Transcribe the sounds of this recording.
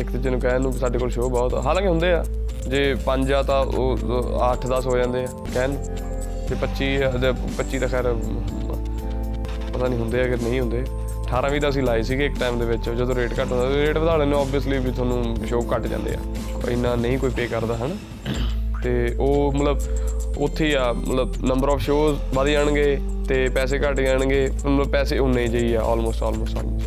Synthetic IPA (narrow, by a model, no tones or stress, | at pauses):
ɪkd̪ɪt͡ʃeːnũːkɛːnũːsaːɖeːkoːlʃoːbɔːt̪ɦaːlãːkeɦʊ̃nd̪eːa̰ː | d͡ʒeːpəɲd͡ʒaːt̪ãːʔoːəʈʰd̪əsɦoːd͡ʒãːnd̪eːɛːkɛːnũː | d͡ʒeːpətːʃiːd͡ʒ̪e | pətːʃiːd̪aːkʰɛːɾ | pət̪ãːnĩːɦʊnd̪eːaːɡəɾnə̃ĩːɦʊ̃nd̪eː | ʈʰaːɾãːʋiːt̪aːəsĩːlaːiːsiːkɪkʈaːɪmd̪eːʋɪt͡ʃd͡ʒəd̪õːɾeːʈkəʈɦõnd̪aːɾeːʈʋəd̪aːɽeːnẽɔːbijəsliːbiːt̪ʰwaːnũː | ʃoːkəʈd͡ʒã̰ːnd̪ḛːa̰ː | ɪ̰nːãːnəĩːkoːiːpeːkəɾd̪aːɦən | t̪eːoːmət̪ləb | ʊt̪ʰːiːaːmə̰t̪ləbnəmbəɾɔːfʰʃoːz | ʋaːd̪iːd͡ʒaːɳɡeː | t̪eːpɛːs̬eːkəʈːd͡ʒaːɳ̃ɡeː | mət̪ləbpɛːseːʊnːeːd͡ʒaːiːɛːʔɔ̰ːlmoːsʈɔ̰ːlmoːsʈɔ̰ːlmo̰ːs